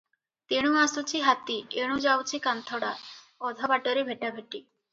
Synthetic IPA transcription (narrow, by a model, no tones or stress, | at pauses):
t̪eɽ̃ũasut͡ʃʰiɦat̪ieɽ̃ũd͡ʒawt͡ʃʰikant̪ʰɔɽa | ɔd̪ʱabaʈɔɾebʱeʈabʱeʈi